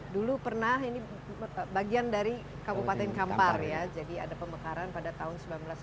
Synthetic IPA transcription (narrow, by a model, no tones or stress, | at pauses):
dulupərnaɦini | baɡiandaɾi | kabupat̪ɛnkamparjad͡ʒadia̰dapəməkaɾanpadat̪aɦʊnsəmbilanbəlas